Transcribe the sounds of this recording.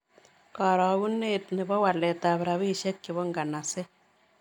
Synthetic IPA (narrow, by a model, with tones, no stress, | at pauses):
ka˨ɾɔ˨ɣu˦nːetni˨bɔ˦wa˨lɛ˨ta˨βɾa˨βiː˦ʃɛ˦kːi˨βɔ˦ŋɡa˨na˨se˦